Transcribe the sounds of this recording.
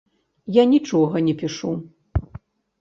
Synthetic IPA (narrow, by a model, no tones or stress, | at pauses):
janʲit͡ʂɔɣɐnʲɛpʲiʂu